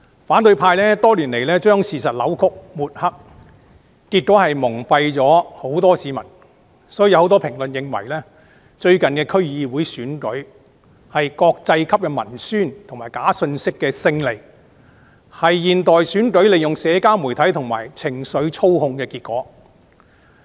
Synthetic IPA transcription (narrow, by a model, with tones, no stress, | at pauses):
faː˨˥nt̪ɵ˧ɥpʰaː˧jlɛː˥t̪ɔː˥liː˨˩nle˨˩jlɛː˥t͡ʃœː˥ŋsiː˨sɐ˨t̚lɐ˨˥wkʰʊ˥k̚muː˨˩t̚hɐ˥k̚ | kiː˧t̚kːoː˨˥hɐ˨jmʊ˨˩ŋpɐ˧jt͡sɔː˨˥ho˨˥wt̪ɔː˥siː˨˧mɐ˨˩n | sɔː˨˥jjwho˨˥wt̪ɔ˥pʰɪ˨˩ŋlɵ˨njɪ˨ŋwɐ̰˨˩jlɛː˥ | t͡ʃɵ˧ɥkɐ˨nkɛː˧kʰɵ˥ɥjiː˨˧wuː˨˥jsyː˨˥nkɵ˨˥ɥ | hɐ˨jkɔː˧k̚t͡sɐ˧jkʰɐ˥p̚kɛː˧mɐ˨˩nsyː˥nt̪ʰŋmaː˨˩jkaː˨˥sɵ˧nsɪ˥kːɛː˧sɪ˧ŋle˨˩j | hɐ˨jːiː˨nt̪ɔː˨jsyː˨˥nkɵ˨˥ɥle˨jʊ˨ŋsɛː˨˧kaː˥mu˨˩jt̪ʰɐ˨˥jt̪ʰʊ˨˩ŋma̰ː˨˩jt͡sʰɪ˨˩ŋsɵ˨˥ɥt͡sʰo˥whʊ˧ŋkɛː˧kiː˧t̚kːɔː˨˥